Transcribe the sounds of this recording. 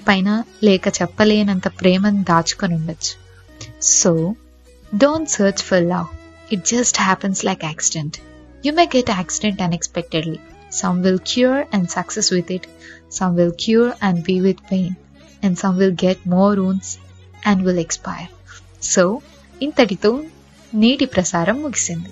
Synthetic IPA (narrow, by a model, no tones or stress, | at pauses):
pãɪnaleːkət͡ʃɐpːəlẽːnɛ̃nd̪əpɾeːmə̃nd̪aːt͡ʃkə̃nũɳɖət͡ʃ | soː | ɖõːnʈsəːɾt͡ʃfɔɾlaʊ | ɪʈ̚d͡ʒʌsʈhæpə̃nslaɪkæksɪɖə̃nʈ | juːmeːɡɛʈæksɪɖə̃ɳʈɐ̃nekspɛk̚ʈeɖli | sʌ̃mʋɪlkʰjuːɾɛ̃ɳɖsʌksesʋɪd̪ɪʈsʌ̃mʋɪlkʰjuːɾæ̃ɳɖbiʋɪd̪pẽːn | æ̃ɳɖsʌ̃mʋɪlɡeʈ̚mɔːɾũːns | ʔæ̃ɳɖʋɪlekspaɪəɾ | soː | ɪ̃nt̪ʰəʈit̪uːn | niːʈipɾɐsaːɾɐ̃mːuɡisĩnd̪i